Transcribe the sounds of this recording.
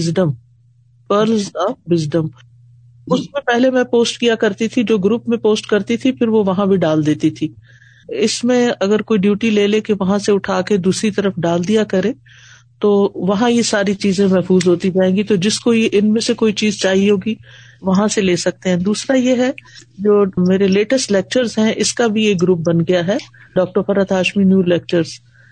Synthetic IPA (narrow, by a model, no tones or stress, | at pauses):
ɪzɖəm | pəɾlzɐbʋɪzɖəm | ʊsmẽpɛɦlemɛ̃poːsʈkijakɐɾt̪it̪ʰid͡ʒoːɡɾuːpmẽpoːsʈkɐɾt̪it̪ʰifʰɪɾʋoʋɐɦãbʱiɖaːld̪eːt̪it̪ʰiː | ɪsmẽɐɡəɾkoːiɖjuːʈileːlekeʋɐɦãseʊʈʰaːked̪uːsɾit̪ɐɾəfɖaːld̪ijakɐɾẽː | t̪oːʋɐɦãjesaːɾit͡ʃiːzẽmɛɦfuːzɦoːt̪id͡ʒaːẽːɡit̪od͡ʒɪskoiʔɪnmẽsekoːit͡ʃiːzt͡ʃaːɦiɦoːɡiʋɐɦãseleːsɐk̚t̪eɦɛ̃d̪uːsɾajeɦɛd͡ʒoːmeːɾeleːʈəsʈleːk̚t͡ʃəɾzɦɛ̃ʔɪskabʱieːk̚ɡɾuːp̚bɐnɡɐjaɦɛ | ɖɔːk̚ʈəɾfɐɾət̪ʰaːʃminjuːleːk̚t͡ʃəɾz̥